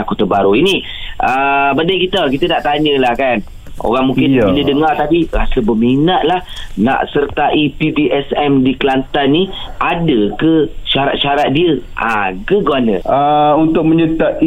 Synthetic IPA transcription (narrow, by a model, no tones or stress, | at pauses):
akot̪əbaɾuini | ʔəbadajkit̪əkit̪anaʔt̪aɲəlahkan | o̰ɣaŋmũŋkɪndidəŋart̪apiɾasəbəminaʔ̪̚lahna̰ʔsərt̪aʔipibiʔɛsɛmdikəlant̪anːiʔadəkəʃaɾa̰ʔ̪ʃaɾat̪̚diəʔa̰kəɡwanə̰əunt̪ʊk̚məɲət̪a